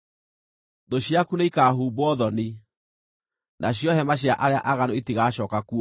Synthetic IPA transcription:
doɕjakuneikaːɦuːbwɔðɔni | nʔaɕjɔɦɛmaɕ̬jaʔaɾeaʔaɣanoitiɣaːɕɔːkakuɔ

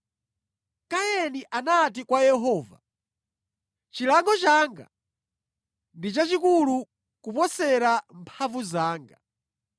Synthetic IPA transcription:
kajɛniʔanat̬ikwajɛɦɔːva̰ | t͡ʃilaŋɡɔt͡ʃaːŋɡa̰ | ndit͡ʃat͡ʃikulu | kupɔsɛɾampʰavuzaːŋɡa

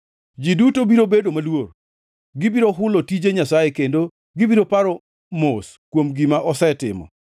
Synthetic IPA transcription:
d͡ʒidutobiɾobedomalwor | ɡɪbiɾoɦʊlotid͡ʒeɲasajekendo | ɡɪbiɾopaɾɔ | mos | kwomɡimaʔɔsɛtɪ̰mɔ̰

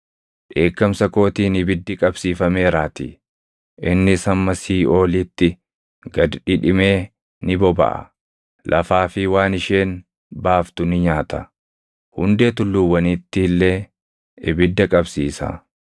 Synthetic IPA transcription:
ᶑe̞ːkːɐmsɐko̞ːt̪iːnɪbɪd̪ːɪkʼɐbsiːfɐme̞ːɾaːt̪ḭ | ʔɪnːɪsɐmːɐsiːo̞ːlɪːt̪ːɪ | ɡɐd̪ᶑɪᶑɪme̞ː | nɪbɔbɐ̰ʔɐ̰ | lʔɐ̰faːfɪwaːnɪʃe̞ːn | baːft̪ʊnɪɲaːt̪ɐ | hʊnd̪e̞ːt̪ʊlːʊwːɐniːt̪ːɪːlːe | ɪbɪd̪ːɐkʼɐbsiːsɐ̰

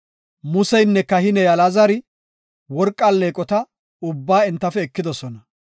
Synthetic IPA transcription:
mʊsɛjnːɛkːɐhɪnɛjɐlazɐɾɪ | wɔɾkʼːɐlːeːkʼɔt̪ɐ | ʊbːaːɪnt̪ːɐfɛːkːɪd̪ɔsɔnɐ

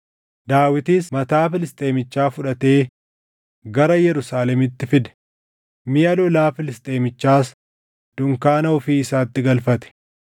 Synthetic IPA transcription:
d̪aːwɪt̪iːsmɐt̪aːfɪlɪst̪ʼe̞ːmɪt͡ʃːaːfʊᶑɐt̪e̞ː | ɡɐɾɐjɛɾʊsaːlɛmɪt̪ːɪfɪd̪ɛ̥ | mɪjɐlɔlaːfɪlɪst̪ʼe̞ːmɪt͡ʃːaːs | d̪̥ʊŋkaːnɐɔfiːɪsaːt̪ːɪɡɐlfɐt̪ɛ̥

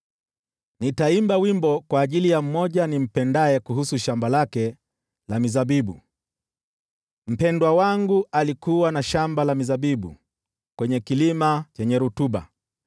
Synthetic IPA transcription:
nitaimbawimbɔkwaːʄilijam̩mːɔʄanim̩pɛndaɛkuɦusuʃambalakɛ | lamizabiɓṵ | m̩pɛndwawaŋɡualikuwanaʃambalamizaɓiɓṵ | kwɛɲɛkilimat͡ʃɛɲɛɾutuɓa̰

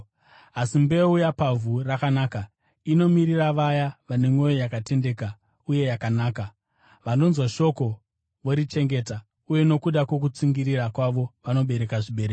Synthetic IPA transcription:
asimbe̞ujapavʱurakanaːka | ino̞miɾiraʋajaʋane̞ŋwo̞jo̞jakate̞nde̞ːka | uje̞jakanaːka | ʋano̞nzwaʃo̞ko̞ | ʋo̞ɾit͡ʃe̞ŋɡe̞ːta | uje̞no̞kuɗakwo̞k̬ut͡siŋɡiɾirakwaʋo̞ʋano̞ɓe̞ɾe̞kaʐiɓe̞ɾek

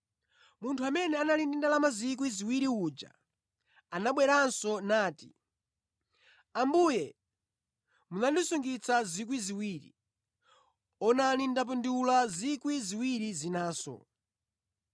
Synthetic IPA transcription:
muntʰuamɛnɛanalindindalamazik̬wiziwiɾiuːd͡ʒa̰ | anaɓwɛɾansɔnaːti | ambujɛ | munandisuŋɡit͡sʰazik̬wiziwiːɾḭ | ɔnalindap̬unduulazikwiziwiɾizinaːsɔ̰

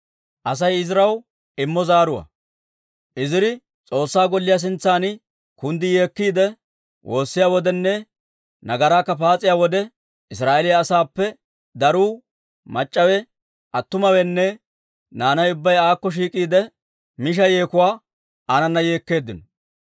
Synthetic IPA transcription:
ʔɐs̬ɐjɪzɾɐw | ɪmːɔzaːɾʊwɐ̰ | ʔɪzɪɾɪ | t͡sʼo̞ːsːaːɡɔlːɪjas̬ɪnt͡sːaːn | kʊnd̪ɪjeːkːiːd̪ɛ | wʔo̞ːsːɪjaːwɔd̪ɛnːɛ | nɐɡɐɾaːkːɐpaːt͡sʼɪjaːwɔd̪ɛ | ɪs̬ɾaːʔelɪjɐːsaːpːɛ | d̪ɐɾuː | mɐt͡ʃʼːɐwɛ | ʔɐt̪ːʊmɐwɛnːɛ | naːnɐjʊbːɐjaːkːɔʃ̬iːkʼiːd̪ɛ | mɪʃ̬ɐje̞ːkʊwaː | ɐnɐnːɐje̞ːkːe̞ːd̪ːɪnɔ

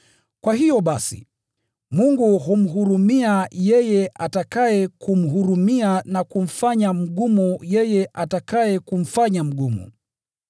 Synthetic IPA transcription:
kwaɦijɔɓasḭ | muŋɡuɦum̩ɦuɾumiajɛjɛʔatakajɛkum̩ɦuɾumianakum̩faɲam̩ɠumujɛjɛʔatakajɛkum̩faɲam̩ɡumṵ

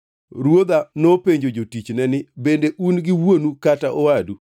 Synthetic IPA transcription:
ɾwod̪anopeɲd͡ʒod͡ʒotit͡ʃnɛnɪbendeʔunɡɪwonukataʔɔwadu

